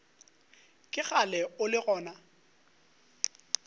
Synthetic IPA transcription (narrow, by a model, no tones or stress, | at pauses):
kʼɪɣalɛʊlɪɣɔːna